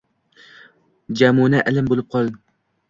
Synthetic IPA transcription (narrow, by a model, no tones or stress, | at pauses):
d͡ʒɛmunɛʔælɪmbolˠɨp̚qʰɑlˠ